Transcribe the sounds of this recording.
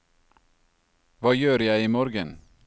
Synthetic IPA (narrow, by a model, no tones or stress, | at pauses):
ʋɑːjøːɾjæɪiːmɔːɾɡən